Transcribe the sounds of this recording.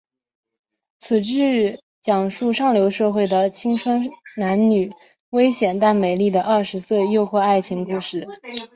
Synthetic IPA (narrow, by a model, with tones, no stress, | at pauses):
t͡sʰɹ̩˨˩ʈ͡ʂɻ̩˥˩ | t͡ɕjɑ˨˩ŋʂu˥˧ʂɑ˥˩ŋljo˧˥ʊʂɤ˥˧xwe˥˩ɪd̪ə˩t͡ɕʰi˥ŋʈ͡ʂʰwə˥nna˧˥nny˨˩˦ | we˥ɪɕjɛ˨˩nt̪a˥˩nme˨˩ɪli˥˩d̪ə˩ʔɐ˥˩ʂɻ̩˧˥swe˥˧ɪjo˥˧ʊxwɔ˥˧a˥˩ɪt͡ɕʰi˧˥ŋku˥˧ʂɻ̩˥˩